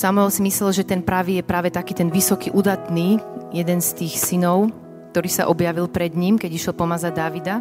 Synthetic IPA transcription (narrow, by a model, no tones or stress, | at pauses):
samɔɔsimislɛlʒɛt̪ɛnpɾaʋiːjɛpɾaːʋɛt̪akiːt̪ɛnʋisɔkiʔud̪at̪niːjɛd̪ɛnst̪iːxsinɔʊ | k̚t̪ɔɾiːsa̰ʔɔbjaʋilpɾɛd̪ɲiːmkɛɟiʃjɛlpɔmazad̪aʋid̪a